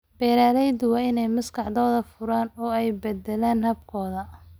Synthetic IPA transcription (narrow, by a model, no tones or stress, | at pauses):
b̥ɛːɾaːlɛjd̪ʊwɐɪnɛjmɐskʰɑħd̪ɔːðɐfʊɾaːnɔːɛjbɛd̪ɛlaːnhɐbkʰɔːðɐ